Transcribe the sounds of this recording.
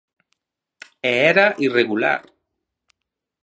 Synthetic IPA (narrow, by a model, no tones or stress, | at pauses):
eeɾaʔireɣula̰ɾ